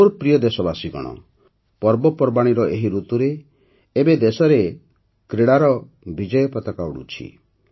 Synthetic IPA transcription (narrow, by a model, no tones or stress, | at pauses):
oɾpɾijɔd̪esɔbasiɡɔ̰ɽ̃ɔ̰ | pɔɾbɔpɔɾbaɽ̃iɾɔʔeɦiɾut̪uɾeː | bed̪esɔɾe | kɾeɽaɾɔ | bid͡ʒɔjɔpɔt̪ɔkauɽṵt͡ʃʰḭ